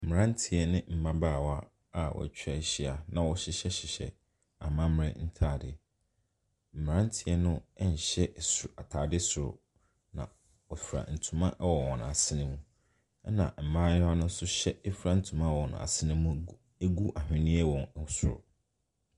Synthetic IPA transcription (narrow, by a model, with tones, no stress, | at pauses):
m̩˨mɪ˨ã˦n˦tʰi˨ɛ˦nɪ̃˦m̩˨mã˦baː˦˨wa˦ | a˦˨wʔɔ̰˨æ̰˨t͡ɕᶣɾa˦˨ɕi˦a˨nã˨wɔ˦ɕɪ˦ɕɛ˦ɕɪ˨ɕɛ̰˨ | a˨mã˦mɾɪ̰̃˦n̩˦tʰaː˨dɪ˨ | m̩˨m˨ã˦n˦tʰɪ˨ɛ˦nʊ̃˦ɛ˦ɲ̩˨ɕɛ˦˨sʊ˨a˨tʰaː˨dɪ˦sʊ˨ɾʊ̰˨ | nã̰˨ | ɔ˨fɾa̰˨n̩˨tʰũ˨mã˦ʔwɔ˨wɔ̰̃˨n˨a˨sɪ˦nɪ̃˦mũ˦ | nã̰˨m̩˨mã˦ɲʊ̃˦a˦nʊ̃˦n̩˦sʊ˦ɕɛ˦ɛ˦fɾa˦n̩˨tʰũ˨mã˦˨wɔ˨ñ̰˨a̰˨sɪ˦nɪ̃˦mũ˦ | e˦ɡu˦ʔa˨hᶣɪ̃˨nĩ˦ɛ˦wɔ̃˨ŋ˦sʊ̰˨ɾʊ̰˨